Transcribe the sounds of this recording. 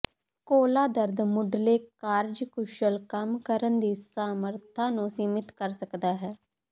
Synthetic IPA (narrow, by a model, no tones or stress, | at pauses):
koːlaːd̪əɾd̪mʊɖleːkaːɾd͡ʒkʊʃəlkəmkəɾənd̪iːsaːməɾt̪ʰãːnũːsiːmɪt̪kəɾsəkd̪aːɦɛː